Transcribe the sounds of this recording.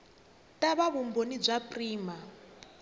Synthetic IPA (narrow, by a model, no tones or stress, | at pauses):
tʼaβaβumbonib͡ʐʷapʼriːma